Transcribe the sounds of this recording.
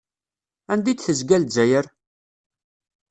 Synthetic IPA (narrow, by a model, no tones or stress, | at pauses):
ænd̪id̪θəzɡæld͡ʒæjəɾ